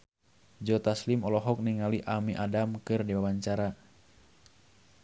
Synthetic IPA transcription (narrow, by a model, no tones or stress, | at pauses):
d͡ʒɔt̪aslimɔlɔɦɔk̚niŋaliʔamiʔadamkɨrdiwawaɲt͡ʃaɾa